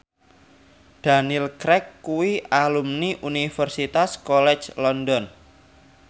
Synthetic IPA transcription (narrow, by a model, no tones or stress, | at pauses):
d̥a̤nilkɾɛkːuwialumniʔunifərsit̪askɔlɛ̥t͡ʃlɔndɔn